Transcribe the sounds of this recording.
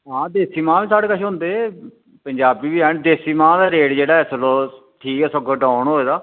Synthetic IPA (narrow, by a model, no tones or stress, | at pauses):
ɦãːd̪eːsiːmãːʋiːsaːɽeːkəʃɦʊ̃nd̪eː | pəɲd͡ʒaːbiːbiːɦɛːɳd̪eːsiːmãːd̪aːɾeːɽd͡ʒeːɽaːɛsəloː | ʈʰiːkɛːsəɡoːʈaːɳɦoːeːd̪aː